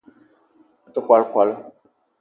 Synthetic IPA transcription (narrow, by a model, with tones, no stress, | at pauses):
tə˨kʷa˨lkʷa˨l